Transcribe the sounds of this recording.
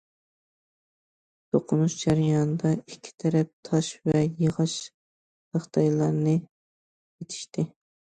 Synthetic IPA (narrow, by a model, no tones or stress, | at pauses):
t̪ʰoqʰʊnuʃd͡ʒæɾijɑnd̪ɑikʲʰːi̥t̪ʰɛɾɛp̚t̪ʰɑʃvɛjəʁɑʃ | həχt̪ʰɑjlˠɑɾnɨ | jet̪ʰɪ̥ʃt̪ɪ